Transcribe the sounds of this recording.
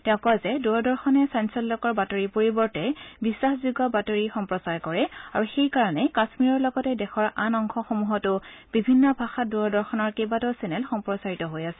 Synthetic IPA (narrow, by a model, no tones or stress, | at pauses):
tɛʊ̃kɔazɛduɹɔdɔɹxɔnɛsansɔlːɔkɔɹbatoɹipoɹibɔɹtɛbisːaxzuɡɔbatoɹixɔmpɹɔsaɹkɔɹɛa̰ɹuxejkaɹanɛkasmiɹɔɹlɔɡɔtɛdɛxʰɔɹanɔŋxʰɔxomuɦɔtʊb̥ibʱinːɔbʱaxat̚duɹɔdɔɹxɔnɔɹkebatɔsɛnɛlxɔmpɹɔsaɹitɔɦojasɛ